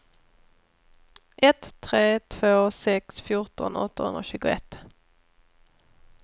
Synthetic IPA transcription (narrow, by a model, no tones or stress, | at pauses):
ʔɛt̪ʰːʁeːt̪ʰvoːsɛksfjʊʁt̪ɔ̰nɔ̰t̪ːəhɵ̰nʁoːɕʉ̟ːɡʊɛt̪